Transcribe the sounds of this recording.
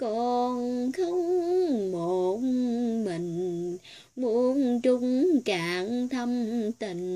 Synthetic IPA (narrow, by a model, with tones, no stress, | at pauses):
kɔ˨˩nxə˧wŋ͡mmo˨˩t̚mi˨˩ŋ̟ | mu˧˦nt͡ɕʊ˧ŋ͡mkaː˨˩ŋt̪ʰə˧mt̪ï˨˩ŋ̟